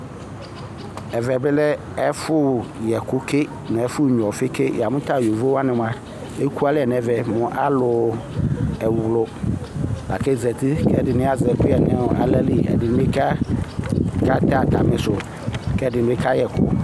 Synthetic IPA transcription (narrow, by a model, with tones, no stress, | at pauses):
ɛ˨vɛ˨bɪ˦lɛ˦ | ɛ˦fʊ˦jɛ˨kʊ˦ke˦ | nɛ̃˨ɛ˦fʊ˦˨ɲ˨ɔ˨fɪ˦ke˦jɛ˨a˨mʊ̃˦t̪a˦˨jo˨vo˦wa˦nɪ̃˨m˨a˦ | e˦ku˦a˦lɪ˦ɛ˨n˨ɛ˨vɛ˨mʊ̃˨ʔa˦lʊ˨ | ɛ˨wlʊ˨ | la̰˨kɛ˦zɛ˨t̪i˦kɛ˦˨dɪ˨nɪ̃˦a˦˨zɛ˨kʊ˦ɛ˨n˨a˨˦ʔa̰˨lɛ˦li˦ɛ̰˨dɪ˨nɪ̃˦be˦ka˦ | ka˦t̪a˨t̪a˨mɪ̃˨sʊ˨ | kɛ˦˨dɪ̃˨˦e˦kʰa˦jɛ˨kʊ̰˦